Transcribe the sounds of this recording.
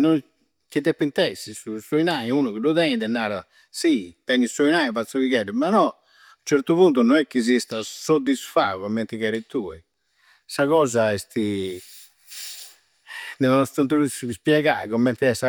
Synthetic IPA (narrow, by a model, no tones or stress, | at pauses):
nɔn | kid̪ɛpːint̪ɛsːisusoinaiunuɣiduðɛniðɛnːaːɾa | sit̪ɛnisoinaːiβat̪sːoviɣɛɖɛmanɔ | unt͡ʃɛɾt̪uβunt̪unɔnɛkːiz̬ist̪asod̪ːisfa̰ːukomːɛnt̪ikɛɾit̪ːuːɛ | saɣɔːzaɛst̪i | nɛnɔnɔst̪ant̪ɾusspjɛɣa̰ikɔmːɛnt̪iɛsa